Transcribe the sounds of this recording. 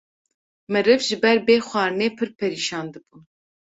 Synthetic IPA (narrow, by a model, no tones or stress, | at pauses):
mɨɾɨvʒɨbɛɾbeːxʷɑːɾneːpʰɨɾpʰɛɾiːʃɑːnd̪ɨbuː